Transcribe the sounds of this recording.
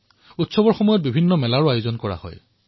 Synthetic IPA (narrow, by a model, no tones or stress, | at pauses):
utsɔbɔɹxɔmɔjɔt̚bibʱinːɔmɛlaɹʊajʊzɔnkɔɹa̰hɔ̰j